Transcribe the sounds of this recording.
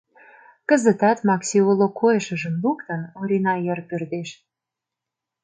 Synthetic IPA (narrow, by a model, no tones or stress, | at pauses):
kə̆zə̆t̪ɑt̪mɑksʲiulokʰojəʃə̆ʒəmlukt̪ənoɾʲinɑjərpørd̪eʃ